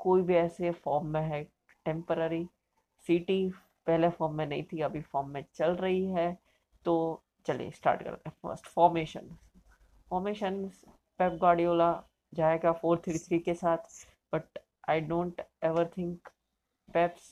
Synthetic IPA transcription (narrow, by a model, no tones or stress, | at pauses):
koːibʱiɛːsefɔːɾmːẽɦɛ | ʈɛ̃mpəɾəɾi | siːʈi | pɛɦlefɔːɾmːẽnɐɦĩt̪ʰiɐbʱifɔːɾmːẽt͡ʃɐlɾɐɦiɦɛ | t̪oː | t͡ʃɐlḭḛsʈa̰ːɾʈkɐ̰ɾ̰t̪efə̰ɾsʈfɔːɾmeːʃə̰̃n | fɔːɾmeːʃənz | pɛːp̚ɡaːɖioːla | d͡ʒaːeɡafoːɾt̪ʰɾit̪ʰɾiːkesaːt̪ʰ | b̥ɐʈ̚ | aɪɖõːɳʈɛʋəɾt̪ʰɪ̃ŋk | pɛps